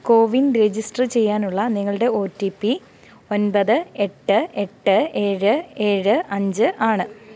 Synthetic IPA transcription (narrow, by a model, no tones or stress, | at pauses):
ko̞ːʋinɾed͡ʑisʈrɨt͡ɕe̞jːaːnuɭːɐniŋːɐɭɨɽe̞o̞ːtːipːi | o̞nbɐðɨe̞ʈːɨe̞ʈːɨe̞ːɻɨe̞ːɻɨʔɐɲd͡ʑɨʔaːɳɨ